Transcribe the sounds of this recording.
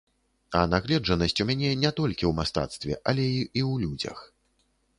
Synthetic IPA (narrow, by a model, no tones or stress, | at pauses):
ɐnaɣlʲɛd͡ʐɐnɐsʲt͡sʲumʲanʲɛnʲɛt̪ɔlʲkʲiwmast̪a̰t̪st̪vʲɛ̰ʔɐlʲɛiiwlʲud͡zʲɐ̰x